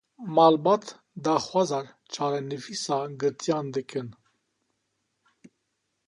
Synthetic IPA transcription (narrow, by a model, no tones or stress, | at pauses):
mɑlbɑt̪ʰ | d̪ɑxwɑzɑɾ | t͡ʃʰɑɾɛnəfisɑɡɨɾt̪ʰʼjɑnd̪əkʰʼən